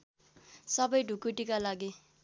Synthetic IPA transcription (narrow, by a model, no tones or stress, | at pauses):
sʌbʌjɖʱukuʈikalaɡi